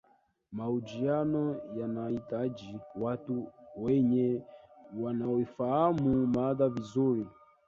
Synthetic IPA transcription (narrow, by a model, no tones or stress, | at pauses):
maud͡ʒianɔjanaitad͡ʒiwatuwɛɲɛ | wanaɔifahamumaðavizuɾi